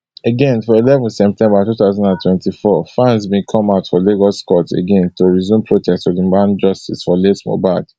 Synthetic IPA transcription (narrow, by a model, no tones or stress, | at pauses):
eɡɛ̃nfɔilɛvɔ̃ntsɛp̚tɛ̃mbatutaʊzɔ̃ndãntwɛ̃ntifɔfãnsbẽkʰɔ̃maʊtfɔleɡɔskɔtḛɡɛ̃ntoɹizjũmpʰɹotʰɛstɔdimãnd͡ʒɔstisfɔlesmo̰bad